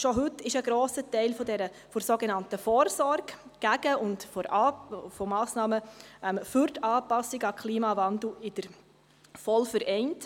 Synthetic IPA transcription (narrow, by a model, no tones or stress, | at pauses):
ʃɔɦʉtːɪʃəɡɾoːsətɛɪlfɔdɛɾə | fɔɾsoɡɛnɑntəfɔːɾsɔɾɡɡ̥æɡəʊndfɔ | fɔmɑːsnɑːməɛmfyɾtɑːpɑsːɪɡɑkʰliːmɑvɑnd̪l̩ɪd̥əɾ | fɔlfəɾʔɛɪnt